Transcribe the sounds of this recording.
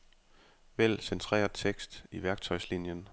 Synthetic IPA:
ʋel̰sent͡sʰʁɛ̰ːɐt͡sʰeɡ̥sd̥iʋæɐɡ̥̚t͡sʰɒ̽ɪslinjən

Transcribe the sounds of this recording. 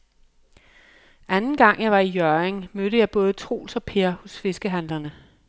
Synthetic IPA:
ʔænn̩ɡ̥ɑ̈ŋ̰jɑ̈ɪʋɑ̈ijœɐeŋmøɾ̥əjɑ̈ɪb̥ɔ̽ːð̞̩ˠət͡sʰʁo̝̰ːlsɒ̽pʰe̝ɐhɔ̽sfe̝sɡ̥əɦænlɐnə

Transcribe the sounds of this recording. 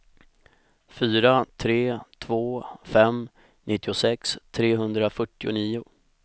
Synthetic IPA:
fyːɾat̪ʰɾeːt̪ʰvoːfɛm | nʔɪt̪ːɪʊsɛkst̪ʰɾeːɦɵnd̪ɾafœʈːɪʊ̰niːʊ

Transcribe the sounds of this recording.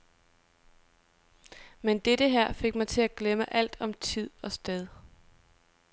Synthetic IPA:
mend̥eɾ̥əɦæɐ̰fe̝ɡ̥mɑ̈ɪt͡sʰe̝æɡ̥leməʔæl̰d̥ɒ̽mt͡sʰið̞̰ˠɒ̽sd̥eð̞ˠ

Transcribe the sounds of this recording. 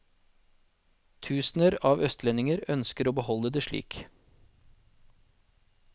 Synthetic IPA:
t̪ʰʉːsn̩əɾɑːʋœst̪lɛnɪŋəɾœnskəɾoːbəhɔləd̪eːʃɭḭːk

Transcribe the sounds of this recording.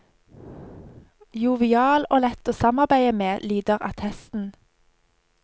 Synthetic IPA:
juːʋɪɑːloːlɛt̪oːsɑmɑʁbæɪəmeːlyːd̪əʁɑ̰t̪hɛst̪n̩

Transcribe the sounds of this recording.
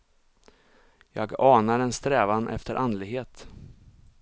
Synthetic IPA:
jɑːɡɑːnaɾɛnst̪ɾɛːvanʔɛ̰ft̪əɾʔand̪lɪɡɦeːt̪

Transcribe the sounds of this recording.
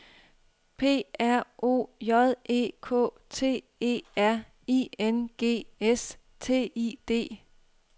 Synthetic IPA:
pʰe̝̰ːæɐ̰o̝̰ːjɒðˠe̝̰ːkʰɔ̰ː | t͡sʰe̝̰ː | e̝̰ːæɐ̰ | ienɡ̥e̝̰ːes | t͡sʰe̝̰ːid̥e̝̰ː

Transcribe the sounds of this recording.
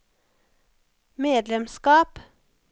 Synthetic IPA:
meːd̪lɛmskɑːp

